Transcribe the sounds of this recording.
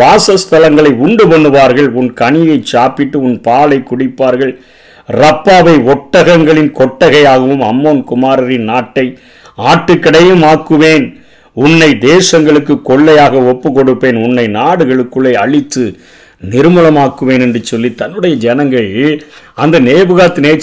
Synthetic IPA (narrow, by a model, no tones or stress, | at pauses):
ʋaːsɐst̪ɐlɐŋɡɐɭɐɪʊɳɖɯpɐnːɯʋaːɾɣɐɭʊnkɐɳɪjɐɪt͡ʃaːpɪʈːɯʊnpaːlɐɪkʊɽɪpːaːɾɣɐɭ | rɐpːaːʋɐɪɔʈːɐɣɐŋɡɐɭɪnkɔʈːɐɣɐjaːɣɐʋɯmɐ̰mːoːnkʊmaːɾɐɾɪnnaːʈːɐɪ | aːʈːɯkːɪɽɐjɯmaːkːɯʋeːn | ʊnːɐɪd̪eːsɐŋɡɐɭɯkːɯkːɔɭːɐjaːɣɐɔpːɯkɔɽɯpːeːnʊnːɐɪnaːɽɯɣɐɭɯkːɯɭːɐɪɐɭɪt̪ːɯ | nɪɾɯmɯlɐmaːkːɯʋeːnɛndrɯt͡ʃɔlːit̪ːɐnːɯɽɐjɐd͡ʒɛnɐŋɡɐɭ | ɐnd̪ɐneːbɯɣaːt̪ːɯneːt͡ʃ